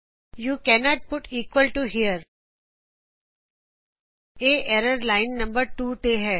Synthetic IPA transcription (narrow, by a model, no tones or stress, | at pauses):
juːkɛnɔːʈ̚pʊʈʰiːkwəlʈuɦiːəɾ | eːʔɛːɾəɾlaːɪ̃nːɐ̃mbəɾʈuːt̪eːɦɛː